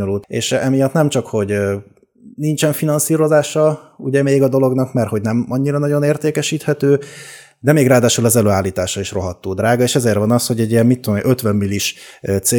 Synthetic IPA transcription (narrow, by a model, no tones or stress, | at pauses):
olut̪ḛːʃɛmijɒt̪nɛmt͡ʃɒkho̞ɟ | nint͡ʃɛɱfinɒnsiːɾo̞zaːʃɒuɟɛmeːɡɒd̪o̞lo̞ɡnɒkmɛrho̞ɟnɛmɒɲːiɾɒnɒɟo̞neːrt̪eːkɛʃiːt̪hɛt̪øː | d̪ɛmeːɡraːd̪aːʃulɒzɛløːaːlːiːt̪aːʃɒiʃro̞ɦɒt̪ːoːd̪ɾraːɡɒeːʃɛzeːrvɒnɒsho̞ɟɛɟːijɛmmit̪ːod̪omiøt̪ʋɛmːiliiʃ | t̪seː